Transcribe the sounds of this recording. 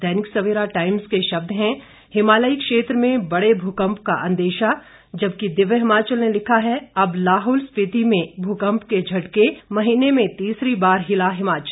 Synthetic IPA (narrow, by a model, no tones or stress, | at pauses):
d̪ʱɛːnɪksɐʋeːɾaʈaːɪmskeʃɐb̚d̪ʱɦɛ̃ | hɪmaːləikʃeːt̪ɾəmẽbɐɽebʱukə̃mpka̰ʔɐ̰̃nd̪eːʃa | d͡ʒɐbkid̪ɪʋəɦɪmaːt͡ʃəlnelɪkʰaɦɛɐblaːɦʊːlspɪt̪imẽbʱukə̃mpked͡ʒʱɐʈkemɐɦiːnemẽt̪iːsɾibaːɾɦɪlaɦɪmaːt͡ʃəl